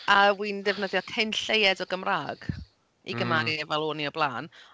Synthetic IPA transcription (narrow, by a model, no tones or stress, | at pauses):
awiːndɛvnəðjɔkʰɪnɬejɛdɔɡəmraːɡ̥ | ḭɡəmaɾiɛvalˠoːniɔblˠaːn